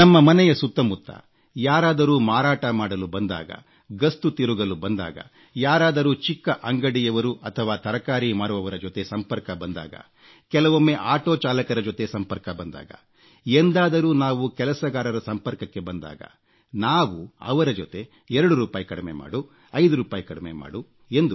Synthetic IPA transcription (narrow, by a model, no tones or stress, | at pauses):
nɐmːɐmɐnɛjɐsut̪ːɐmut̪ːɐ̰ | jaːɾaːd̪ɐɾuːmaːɾaːʈɐmaːɽɐlubɐnd̪a̰ːɡɐ̰ | ɡɐst̪ut̪iɾuɡɐlubɐnd̪a̰ːɡɐ̰ | jaːɾaːd̪ɐɾuːt͡ʃikːɐʔɐŋɡɐɽijɐʋɐɾuʔɐt̪ʰɐʋaːt̪ɐɾɐkaːɾimaːɽuʋɐʋɐɾɐd͡ʒot̪e̞sɐmpɐɾkɐbɐnd̪a̰ːɡɐ̰ | kɛlɐʋomːeʔaːʈoːt͡ʃaːlɐkɐɾɐd͡ʒot̪e̞sɐmpɐɾkɐbɐnd̪a̰ːɡɐ̰ | end̪aːd̪ɐɾuːnaːʋukɛlɐsɐɡaːɾɐɾɐsɐmpɐɾkɐkːe̞bɐnd̪a̰ːɡɐ̰ | naːʋuɐ̰ʋɐɾɐd͡ʒot̪e̞ | ɛɾɐɽuɾuːpaːjikɐɽimḛma̰ːɽu | ɐjd̪uɾuːpaːjikɐɽɐmema̰ːɽu | e̞nd̪u